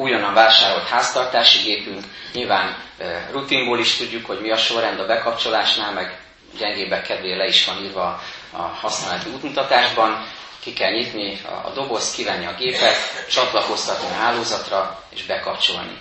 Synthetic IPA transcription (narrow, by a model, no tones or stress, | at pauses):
uːjɒnɒɱvaːlʃaːɾo̞lt̪haːst̪ɒrt̪aːʃiɡeːpyŋkɲilvaːnrut̪imboːliʃt̪uɟːukho̞ɟmiɒʃo̞rɛnd̪ɒbɛkɒpt͡ʃo̞laːʃnaːlmɛɡ | ɟɛŋɡeːbɛkːɛd̪veːlːɛiʃʋɒniːrvɒ | ɒ̰hɒsnaːlɛt̪iuːt̪mut̪ɒt̪aːʒbɒŋ | kikɛlɲit̪nḭɒ̰d̪o̞bo̞st̪kivɛnːiɒɡeːpɛt̪t͡ʃɒt̪lɒko̞st̪ɒt̪niɒɦaːloːzɒt̪rɒḛːʒbɛkɒpt͡ʃo̞̰lnḭ